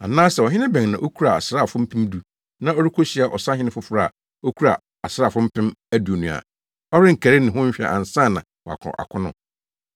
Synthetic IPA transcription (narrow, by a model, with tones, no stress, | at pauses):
a̰˨nãː˦sɛ˨ɔ˨ɦɪ̃˦nɪ̃˦bɛ̃˨ŋnã˨ʔo˦kʰu˦ɾa˨a˨sɾaː˦˨fʊ̃˦m̩˦pʰɪ̃˦m˦du˦ | nã˦o˦ɾi˦kʰo˦ɕi˨˦a˨ʔɔ˨sã˦ɦɪ̃˦nɪ̃˦fʊ˦fʊ˦ɾa˦a˨ | o˦kʰu˦ɾa̰˨ | a˨sɾaː˦˨fʊ̃˦m̩˦pʰɪ̃˦mæ˦du˨o˨nũ˨a̰˨ | ɔ˦ɾɪ̃˦ŋ̩˨kʰæ˨ɾɪ˦nɪ̃˨ɦʊ̃˦m̩˦ɕᶣi˦a̰˨ʔã̰˨n̩˨sã˦˨nã̰˨wɔ˨a̰˨kʰʊ̰̃˨ʔa̰˨kʰʊ̃˦nʊ̰̃˨